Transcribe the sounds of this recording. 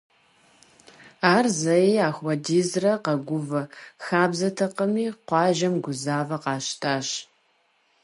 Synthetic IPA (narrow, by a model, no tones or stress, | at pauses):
aːrzɐiaːxwɐdiːzrɐqɐɡʷʊvɐxaːbzɐtʰɐqɐmiːqʷɑːʒɐmɡʷʊzaːvɐqɑːʃtʰaːɕ